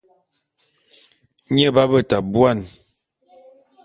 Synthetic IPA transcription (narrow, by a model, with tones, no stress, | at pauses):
ɲə˦ba˦bə˦˨ta˨bwa˦˨n